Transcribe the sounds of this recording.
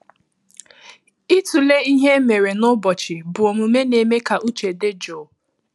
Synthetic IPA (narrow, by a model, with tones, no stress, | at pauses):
i˦tu˨le˦i˦ɦe˦me˨ɾe˨nʊ˦bɔ˨t͡ʃɪ˨bʊ˨o˨mu˨me˦ne˨me˦ka˨ʔu˦t͡ʃe˨de˦d͡ʒo˨